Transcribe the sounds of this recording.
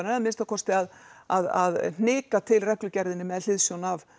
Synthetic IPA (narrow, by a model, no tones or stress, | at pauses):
naðmɪnst̪akʰɔst̪ɪaðaða̰ðn̥ɪːkat̪ʰɪlrɛhklʏcɛɾðɪnːɪmɛðl̥ɪðsjownav